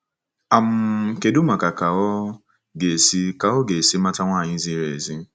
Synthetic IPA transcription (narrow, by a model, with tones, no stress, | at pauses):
a˨m̩˦ke˨du˦ma˨ka˨ka˨ɔ˦ | ɡe˨si˦ka˨ɔ˦ɡe˨si˦ma˦ta˦ŋʷaː˦˨ɲɪ˦zi˦ɾe˨zi˦